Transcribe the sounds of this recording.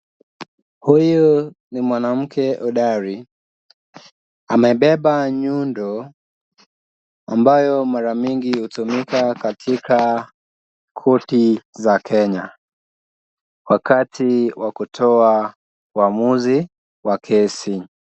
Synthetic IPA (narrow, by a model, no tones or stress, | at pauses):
huju | nimwanam̩kʰɛʔuɗaɾi | amɛiɓɛɓaɲundɔ | ambajɔmaɾamiŋɡihutumikakatʰikʰa | kʰɔtizakʰɛɲa | wakatiwakutʰɔa | wamuzi | wakʰɛsi